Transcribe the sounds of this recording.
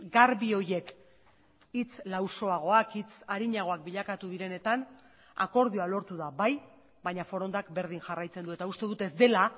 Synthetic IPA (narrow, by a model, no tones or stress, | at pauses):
ɡaɾβio̞je̞k | it͡slawso̞aɣ̞o̞akit͡saɾiɲaɣ̞o̞ak̚biʎakat̪uðiɾe̞ne̞t̪an | a̰ko̞ɾð̞ioalo̞ɾt̪uðaβaj | baɲafo̞ɾo̞nd̪akbe̞ɾðiŋʝarajt͡se̞nd̪ue̞t̪aust̪e̞ðut̪e̞zd̪e̞la